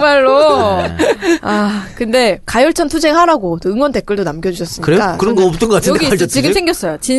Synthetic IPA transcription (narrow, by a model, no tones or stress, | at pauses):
maɭːo | akɯnde̞kajʌɭt͡ɕʰʌntʰud͡ʑe̞ŋhaɾaɡotɯŋwʌnde̞k͈ɯɭdonamɡjʌd͡ʑuɕʰʌs͈ɯmɲkɯɾejoakɯɾʌnɡʌʌp̚t͈ɯnŋɡʌkatʰnʌeɡiat͡ɕʌt͡ɕiɡɯmsʰe̞ŋɡjʌs͈ʌjot͡ɕin